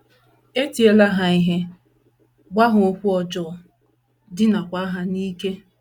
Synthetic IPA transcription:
e˦ti˨e˦la˦ɦa˨i˦ɦe˦ | ɡ͡ba˦ɦʊ˨o˦kʷu˦ɔ˨d͡ʒɔ˦˨ | dɪ˦na˨kʷa˦ɦa˦niː˦ke˦

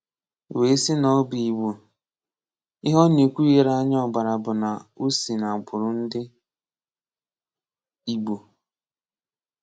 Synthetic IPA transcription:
we˨˦i˦sɪ˦nɔ˦bi˨i˨ɡ͡bo˨ | ɪ˦ɦɔ˦ne˨kʷu˦i˦ɾa˦ɲ˦ɔ˨ba˨ɾa˨bʊ˨na˨u˦si˨na˨ɡ͡bʊ˨ɾʊ˨n̩˦dɪ˦ | i˦ɡ͡bo˨

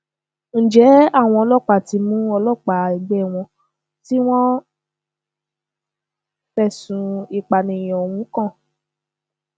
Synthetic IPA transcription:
n̩˨d͡ʒɛ˨˦a˦˨w̃ɔ̃˧ɔ˧lɔ˦˨k͡pa˨ti˧mũ˦ɔ˧lɔ˦˨k͡pa˨i˨ɡ͡be˦˨w̃ɔ̃˧ | ti˦w̃ɔ̃˦ | fɛ˦˨sũ˨˦i˨k͡pa˨nĩ˨j̃o˨wũ˨˦kã˦˨

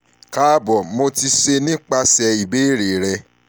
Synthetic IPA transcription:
ka˦bɔ˨mo˧ti˧ʃe˧nĩ˦k͡pa˦sɛ˧i˨be˦ɾe˨ɾɛ˧

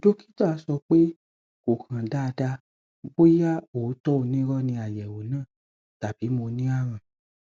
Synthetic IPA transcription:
do˦ki̥˦ta˦˨a˨˧˦sɔ˧k͡pe˦ | ko˨kã˨da˦˧da˧ | bo˦ja˦o˨˦tɔ˦o˧nĩ˦ɾɔ˦nĩ˧a˨jɛ˨wo˨nãː˦˨ | ta˨b̥i˨˦mo˧nĩ˦a˦˨ɾ̃ã˨

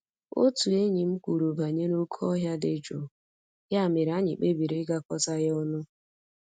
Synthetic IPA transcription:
o̰˦tu˨e˦ɲi˨m̩˦kʷu˨ɾu˨ba˨ɲe˦no˦kʰɔ˦ɦja˦dɪ˨d͡ʒo˨ | ja˦˨me˨ɾa˦ɲɪ˨k͡pe˦bi˨ɾe˦ɡa˦kɔ˦ta˦ɣe˦ʊ˦nʊ˦

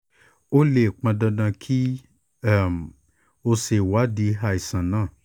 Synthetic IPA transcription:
o˦le˦˨k͡pã˧dɔ̃˧dã˧kʰi˦˨ | m˨ | o˧se˨wa˨˦di˨˧˦ɦa˧˨i˨sã˨nãː˦˨

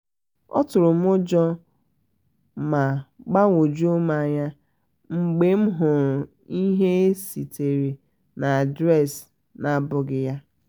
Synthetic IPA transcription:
ɔ̰˦tʊ˨ɾʊ˨m˦ʊ˦d͡ʒɔ˦ | ma˨ɡ͡ba˦ŋʷo˨d͡ʒu˦ʊ˦ma˨ɲa˦ | ŋ͡m̩˨ɡ͡be˦m̩˦ɦʊ˨ɾʊ˨ | i˦ɦe˦si˨te˨ɾi˨ | na˨a˨dɾɛ˦˨s | na˨bʊ˨ɡɪ˨ja˦

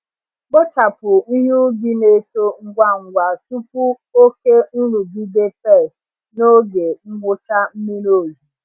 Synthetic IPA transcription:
k͡po˦ta˨pʊ˨ni˦ɲu˦ɡɪ˦ne˦˨to˦ŋ̩˦ɡʷa˦ŋ̩˨ɡʷa˨tu˦p̚u˦ | o˦ke˦n̩˦ɾu˨ɡi˦de˦pɛ˦˨st | no˦ɡe˨ŋ͡m̩˦ɡʊ˦ta˦m̩˦mi˦no˦˨zu˨

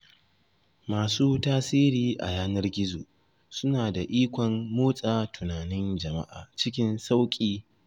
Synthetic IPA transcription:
maː˨suː˦taː˦siː˦ɾiː˨ʔa̰˨jaː˦nɐ˦rɡʲɪ˦zoː˨ | sʊ˦naː˨da˨ʔiː˦kʷɔ˨mːoː˦sʼaː˨tʊ˨naː˨nɪ˦nd͡ʒɐ˨ma̰˦ʔa̰ː˨t͡ʃɪ˦kʲɪ˦nsa˦wkʲʼiː˦

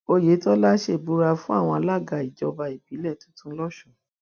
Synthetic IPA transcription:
o˧je˨˦tɔ˦la˦ʃe˦˨bu˦ɾa˧fũ˦a̰˦˨w̃ɔ̃˧a˧la˦˨ɡa˧i˨d͡ʒɔ˧ba˧i˨bi˨˦lɛ˦˨tũ̥˨˦tũ˦lɔ˦ʃɔ˦˨

